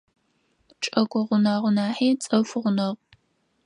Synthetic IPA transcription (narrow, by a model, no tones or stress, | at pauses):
ʈ͡ʂʼɐɡʷɔʁʷʊnaːʁʷʊnaːħiːt͡sʼɐfʷʊʁʷʊnɐʁ